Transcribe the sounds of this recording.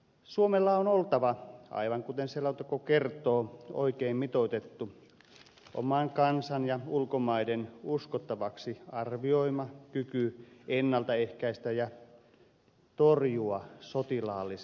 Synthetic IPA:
suomelːɑonolt̪ɑʋɑʔɑ̰iʋɑŋkut̪enselɑot̪ɑkokert̪ˑoːo̰ikeːmmit̪ot̪et̪ːu | ʔo̰mɑŋkɑnsɑnjɑulkomɑidenuskot̪ːɑʋɑksiɑrʋioimɑkykyenːɑlt̪ɑehkæist̪æjɑ | t̪orjuɑsot̪ilɑːlːi

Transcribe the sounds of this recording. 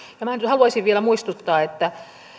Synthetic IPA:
jɑmænhɑluɑsiʋʋielæmuist̪ut̪ːɑːet̪ːæ

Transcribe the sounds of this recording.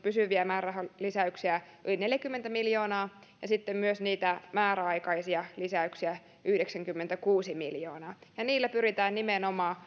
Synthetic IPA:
pysyʋiæmæːræɦolisæyksiæylineljækymːent̪æmiljoːnɑː | jɑsit̪ːemmyøsniːt̪æmæːɾæɑikɑisiɑlisæyksiæ | ʔyhdeksæŋkymːent̪ækuːsimḭljo̰ːnɑːjɑniːlːæpyrit̪æːnnimenomɑː

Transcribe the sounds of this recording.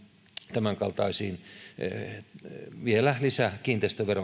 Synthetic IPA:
t̪æmæŋkɑlt̪ɑisiːn | ʋielælisækiːnt̪eist̪æʋero

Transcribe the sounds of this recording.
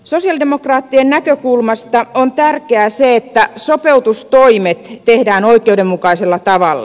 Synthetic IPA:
sosiɑldemokrɑːt̪ːiennækøkulmɑst̪ɑont̪ærkeæseet̪ːæsopeut̪ust̪oimet̪ːehdæːnoikˑeudemmukɑiselːɑt̪ɑʋɑlːɑ̰

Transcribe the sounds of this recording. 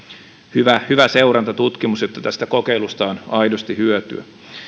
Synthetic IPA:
hyʋæhyʋæseuɾɑnt̪ɑt̪ut̪kimusjot̪ːɑt̪æst̪ækokeilust̪ɑonɑidost̪ihyøt̪y̰æ̰

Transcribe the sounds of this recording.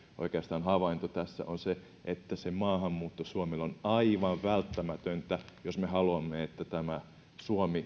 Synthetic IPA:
ʔo̰ikeɑst̪ɑːnhɑʋɑint̪ot̪æsːæ̰ʔonse | ʔet̪ːæsemɑːhɑmːuːt̪ːosuomelonɑiʋɑʋʋælt̪ːæmæt̪ønt̪æjosmehɑluɑmːeet̪ːæt̪æmæ | suomi

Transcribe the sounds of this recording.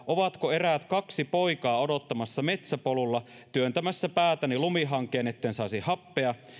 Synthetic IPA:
oʋɑt̪koe̞ræːt̪kɑksipo̞ikɑːo̞do̞t̪ːɑmɑsːɑme̞t̪sæpolulːɑ | t̪yønt̪æmæsːæpæːt̪ænilumiɦɑŋkˑeːnet̪ːensɑisihɑpːeɑ

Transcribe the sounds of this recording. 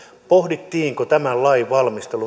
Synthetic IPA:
pohdit̪ːiːŋkot̪æmællɑjʋɑlmist̪elu

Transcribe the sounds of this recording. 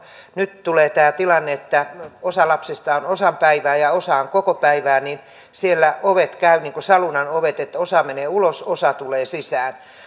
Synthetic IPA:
nyt̪t̪uleːt̪æːt̪ilɑnːeet̪ːæosɑlɑpsest̪ɑonosɑmpæiʋæːjɑosɑːŋkokopæiʋæːnin | sielːæoʋet̪kæyniːŋkosɑlunɑnoʋet̪et̪ːosɑmeneːulososɑt̪uleːsisæːn

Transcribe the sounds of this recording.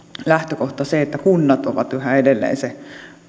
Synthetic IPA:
læht̪økoht̪ɑseet̪ːækunːɑt̪oʋɑ̰t̪ʋæhæedelːḛːnse

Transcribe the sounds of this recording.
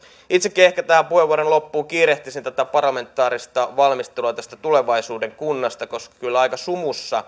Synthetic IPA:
it̪sekːehkæt̪æhæmpuheʋːuoɾonlo̞pːuːkiːɾe̞ht̪isint̪æt̪æpɑrlɑme̞nt̪ːˑɑːɾist̪ɑʋɑlmist̪eluɑt̪æst̪æt̪ule̞ʋɑisuːde̞ŋkunːɑst̪ɑko̞skɑ̥kylːɑjkɑsumusːɑ

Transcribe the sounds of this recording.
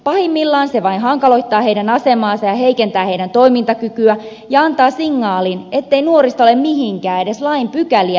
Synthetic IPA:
pɑhimːilːɑːnseʋɑinɦɑŋkɑlo̞jt̪ːɑːheidænɑse̞mɑːnsɑjɑhe̞ikent̪æːhe̞idænt̪o̞imint̪ɑkykyæ | jɑɑnt̪ɑːsiŋːɑːline̞t̪ːeinuoɾist̪olemmiɦiŋkæːe̞deslɑimpykæliæ

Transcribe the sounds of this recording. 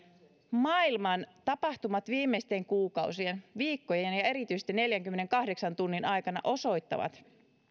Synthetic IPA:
mɑilmɑnt̪ɑpɑht̪umɑt̪ʋiːmːeist̪e̞ŋkuːkɑusienʋiːkːojeenjɑe̞ɾit̪yjse̥t̪inːe̞ljæŋkymːene̞ŋkɑhde̞ksɑnt̪unːinɑjkɑnɑ̰ʔo̞so̞jt̪ːɑ̰ʋɑ̰t̪

